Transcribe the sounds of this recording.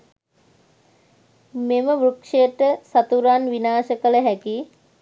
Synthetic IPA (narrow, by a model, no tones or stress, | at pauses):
meməʋɾukʂejəʈəsat̪uɾanʋinaːʃəkələɦæki